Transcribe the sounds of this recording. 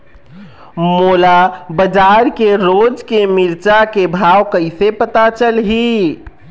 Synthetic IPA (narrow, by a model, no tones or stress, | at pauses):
molabəd͡ʒaɾkeɾod͡ʒkemiɾt͡ʃakebʱawkəɪsepət̪at͡ʃəlɦi